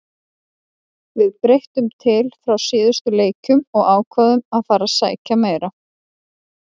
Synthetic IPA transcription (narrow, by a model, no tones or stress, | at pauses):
vɪðpɾejht̪ʏmt̪ʰɪlfɾawsɪːðʏst̪ʏleːjcʏmɔɣaːwkʰvaðʏmaðfaːɾasa̰ːjcameːjɾa